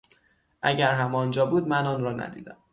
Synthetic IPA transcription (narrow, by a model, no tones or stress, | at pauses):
ʔæɟæɾɦæmɒːnd͡ʒɒːbuːd̪mænɒːnɾɒːnæ̰d̪ḭːd̪̥æm